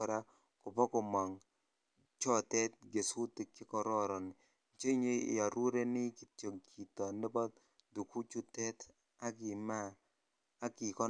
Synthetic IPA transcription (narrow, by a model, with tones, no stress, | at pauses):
ɔ˨ɾa˦ | kʊ˨pɔ˦kɔ˨ma˨ŋ | t͡ʃɔ˦tɛ˦t̚ɡe˨su˦tɪ˨kɪ˦kɔ˨ɾɔ˦ɾɔ˨nɪ˨ | t͡ʃe˦ɲḛ˦˨a˨ɾu˦ɾe˦nɪ˦ki˨to˨ŋkʰi˨tɔ˨nɪ˦bɔ˦t̚ | du˨ku˦t͡ʃu˦tɛ˦t | a˦ɡɪ˨maː˦ | kɪ˨kɔ˦